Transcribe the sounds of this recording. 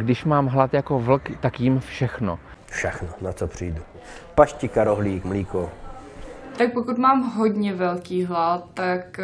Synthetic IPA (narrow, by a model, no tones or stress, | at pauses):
ɡdɪʃmaːmɦlat̪jako̞vl̩kt̪akjɪmfʃɛxno̰ | fʃɛxnonat͡sopr̝̥ijdu | paʃcɪkaɾoɦliːkmliːko | t̪ak̚pokut̪maːmɦodɲɛvɛlkiːɦlat̪ːak